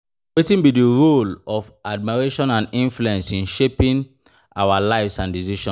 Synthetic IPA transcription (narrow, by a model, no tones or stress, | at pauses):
wetĩnbidiɹolɔfad̚miɹeʃɔ̃nãnĩnfluɛ̃nsĩnʃepĩn | ʔawalaɪfsãndiziʃɔ̃